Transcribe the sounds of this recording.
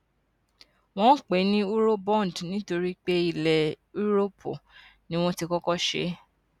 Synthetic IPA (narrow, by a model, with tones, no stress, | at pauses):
w̃ɔ̃˦k͡pe˨˦nĩ˦u˦ɾo˦bɔ̃˦˨n˨dnĩ˨˦to˧ɾi˦k͡pe˦i˨lɛ˨ | u˦ɾo˦pʰo̰˨nĩ˦w̃ɔ̃˦ti˧kɔ˦kɔ˦ʃḛ˨˦